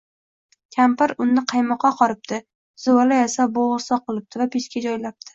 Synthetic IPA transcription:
kʲʰampɪɾʊnːɪqʰɑjmɒqʰːɑqʰɒɾɪp̚t̪ʰɪ | z̥ʊwalajasaboʁɾsɒqːɨlˠɪp̚t̪ʰɪvapʰeskʲad͡ʒɒjlap̚t̪ʰɪ̥

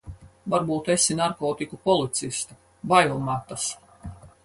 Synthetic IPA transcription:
vaɾbuːt̪esinaɾkɔːt̪ikupɔlˠit̪sist̪a | bajlˠmat̪as

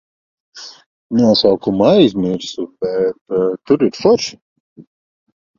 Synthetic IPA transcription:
nuɔsawkumajzʲmiɾsubɛt̪t̪ːuɾiɾfɔʃ

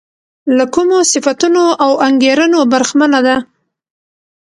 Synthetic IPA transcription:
lakumosɪfat̪unoʔawaŋɡeɾənobaɾxmanad̪a

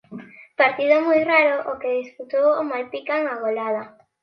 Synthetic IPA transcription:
paɾt̪iðomojraɾoʔokeðisput̪owomalpikaŋaɣolað̞a

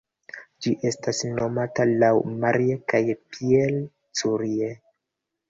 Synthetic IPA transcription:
d͡ʒiʔe̞stasno̞matalawmaɾiekajpiel | t͡suɾie

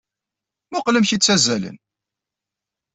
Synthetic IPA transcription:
mʊqləmçit͡sːæzːælə̰n

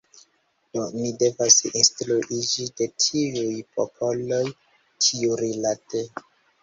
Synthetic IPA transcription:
d̥omide̞vasinstluʔid͡ʒide̞tʰiujpopʰo̞lo̞j | tʰiuɾilate

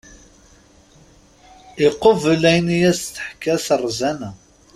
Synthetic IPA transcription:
iqːovəlæjnijæsθə̥ħkːæsərˤzænæ

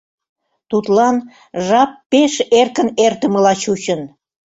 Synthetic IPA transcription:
t̪ut̪lɑn | ʒɑpːeʃerkənert̪əməlɑt͡ɕut͡ɕən

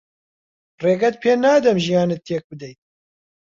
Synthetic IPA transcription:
reːɡɛt̪̚pʰeːnaːd̪ɛmʒijɑːnet̪ːeːk̚bɨd̪ɛj̪̚

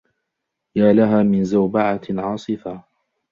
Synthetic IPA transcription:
jaːlaɦaːmɪnzawbaʕaʕɑːsˤɨfa

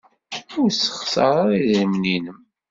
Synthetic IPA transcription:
ʊɾsə̥χsɑɾˤaɾiðɾəmninəm

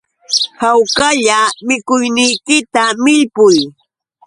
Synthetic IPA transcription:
hawkaʎamɪkʊjnɪjkɪt̪amɪʎpʊj

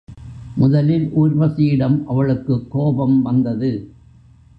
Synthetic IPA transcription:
mʊðɐlɪlʔuːɾʋɐsijɪɽɐmʔɐʋɐɭɯkːɯkːoːbɐmʋɐnd̪ɐðɯ

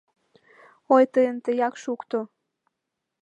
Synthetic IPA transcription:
ojt̪əjənt̪əjɑkʃukt̪o

